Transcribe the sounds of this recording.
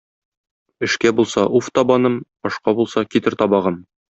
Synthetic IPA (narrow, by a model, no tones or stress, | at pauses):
ɘ̆ʃkæbulˠsɑʔuft̪ɒbɑnɤm | ɒʃqɑbulˠsɑkit̪ɘɾt̪ɒbɑʁɤm